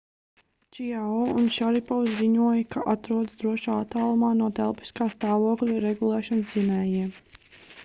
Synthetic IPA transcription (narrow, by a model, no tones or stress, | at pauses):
t͡ʃiaɔunʃaɾipɔwsziɲuɔjɐkʰaʔat̪ɾuɔd̪əsd̪ɾuɔʃaːat̪aːlˠumaːnuɔt̪ɛlˠpi̥skaːst̪aːvuɔklʲuɾɛɡulˠɛːʃɔnsd̪zʲinɛːjiɛm